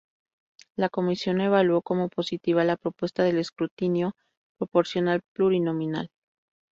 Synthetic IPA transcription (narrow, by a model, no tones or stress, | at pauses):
lako̞misjo̞ne̞β̞alwo̞ko̞mo̞po̞sit̪iβ̞alapɾo̞pwe̞st̪aðe̞le̞skɾut̪injo̞ | pɾo̞po̞ɾsjo̞nalpluɾino̞mĩna̰l